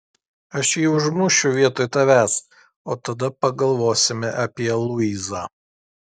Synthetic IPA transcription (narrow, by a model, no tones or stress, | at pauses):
ɐʃjiːʊʒmʊʃʲʊʋʲiɛt̪oːjt̪ɐʋʲæːs | oːt̪ɐd̪ɐpɐɡɐlˠʋoːsʲɪmʲɛʔɐpʲiɛlˠʊiːzɑː